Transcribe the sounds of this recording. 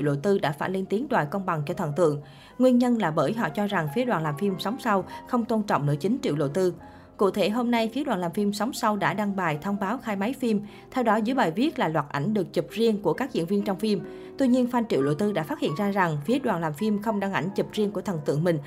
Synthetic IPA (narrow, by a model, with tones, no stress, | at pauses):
wlo̰˧˨t̪ɨ˧ɗa̰ː˧˥faː˧˩nle˧nt̪i˨˦əŋɗwa̰ː˧˨jkə˧wŋ͡mɓa˨˩ŋt͡ɕɔ˧t̪ʰə˨˩nt̪ɨ̰˧˨əŋ | ŋwi˧ənɲə˧nlaː˨˩ɓəː˧˩jɦɔ̰˧˨t͡ɕɔ˧za˨˩ŋfi˨˦əɗwa̰ː˧˩nlaː˨˩mfi˧msa˨˦wŋ͡msa˧wxə˧wŋ͡mt̪o˧nt͡ɕɔ̰˧˨wŋ͡mnɨ̰˧˩ət͡ɕï˨˦ŋ̟t͡ɕḭ˧˨əwlo̰˧˨t̪ɨ˧ | kṵ˧˨t̪ʰe˧˩ɦo˧mna˧jfi˨˦ɗwa̰ː˧˩nlaː˨˩mfi˧msa˨˦wŋ͡msa˧wɗa̰ː˧˥ɗa˧ŋɓaː˨˩jt̪ʰə˧wŋ͡mɓaː˨˦wxaː˧jma˨˦jfi˧m | t̪ʰɛ˧wɗɔ˨˦zɨ˧˦jɓaː˨˩jvi˦˥ət̚laː˨˩lwaː˨˩t̚ʔa˧˩jŋ̟ɗɨ˨˩ək̚t͡ɕɨ˨˩p̚zi˧əŋku˧˩əka˦˥k̚zḭ˧˨ənvi˧ənt͡ɕɔ˧wŋ͡mfi˧m | t̪wi˧ɲi˧ənfa˧nt͡ɕḭ˧˨wlo̰˧˨jt̪ɨ˧ɗa̰ː˧˥faː˦˥t̚hḭ˧˨ənzaː˧za˨˩ŋfi˨˦əɗwaː˨˩nlaː˨˩mfi˧mxə˧wŋ͡mɗa˧ŋʔa̰˧˩jŋ̟t͡ɕɨ˨˩p̚zi˧əŋku˧˩ət̪ʰə˨˩nt̪ɨ̰˧˨əŋmï˨˩ŋ̟